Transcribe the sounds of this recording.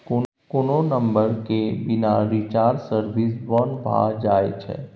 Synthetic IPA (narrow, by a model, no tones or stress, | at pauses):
ko | kononə̃mbəɾkebɪnaɾit͡ʃaːɾsəɾbisbɔnbʱa̰d͡ʒaːḛt͡ʃʰɛ̰